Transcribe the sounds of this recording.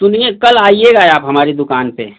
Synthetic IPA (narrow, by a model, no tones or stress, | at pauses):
sʊniẽkəlaːieɡaːeaːpɦɐmaːɾid̪ʊkaːnpḛ